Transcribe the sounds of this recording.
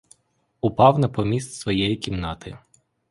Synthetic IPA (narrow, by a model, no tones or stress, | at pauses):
ʊpɑwnɐpɔmʲisʲt̪ʲsʋɔjɛjikʲimnɑt̪ɪ